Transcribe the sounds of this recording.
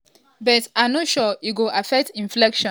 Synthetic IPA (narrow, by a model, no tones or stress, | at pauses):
bɛtanoʃɔiɡoʔafɛk̚tĩɱflɛkʃɔ̃